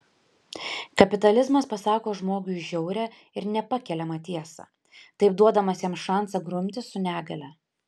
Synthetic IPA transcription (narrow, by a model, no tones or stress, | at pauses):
kɐpʲɪt̪ɐlʲɪzmɐspɐsɑːkoːʒmoːɡʲʊʒʲɛʊɾʲɛ | ɪɾnʲɛpɐkʲɛlʲɛmɐt̪ʲiɛsɑ̰ | t̪ɐɪp̚d̪uɔd̪ɐmɐsʲjɛmsʃɑˑnˑsɐɡɾʊmʲt̪ʲɪsʊnʲæːɡɐlʲɛ